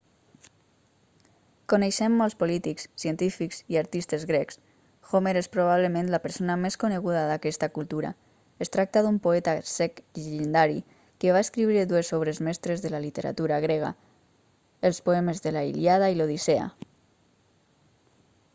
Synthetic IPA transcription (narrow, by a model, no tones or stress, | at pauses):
koneʃɛmːolˠspolit̪ikssient̪ifikz̥iaɾt̪ist̪ezɣɾɛks | xomeɾespɾoβ̞aβləmẽnlapəɾsonameskoneɣ̞uðaðakɛst̪akulˠt̪uɾa̰ | est̪ɾak̚t̪aðumpoɛt̪asɛkʎeʒend̪aɾḭ | keβaeskɾiβɾeðuesoβɾezmɛst̪ɾezðəlalit̪eɾa̰t̪uɾaɣ̞ɾeɣ̞a̰ | əlˠspoɛmezðelaḭljað̞ailoðisea̰